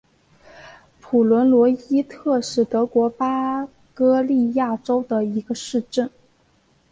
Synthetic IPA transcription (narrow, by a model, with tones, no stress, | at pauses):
pʰu˨˩lwə˧˥nlwɔ˧˥i˥t̪ʰɤ˥˧ʂɻ̩˥˩t̪ɤ˧˥kwɔ˧˥pa˥ | kɤ˥li˥˧ja˥˩ʈ͡ʂo˥ʊd̪ə˨i˧˥ɡə˧ʂɻ̩˥˧ʈ͡ʂə˥˩n